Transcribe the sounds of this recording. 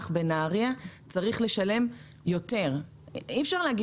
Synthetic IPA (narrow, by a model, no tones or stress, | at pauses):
χbenaːʁiat͡saʁiχle̞ʃale̞m | jo̞te̞ʁ | iɛfʃaʁleaɡi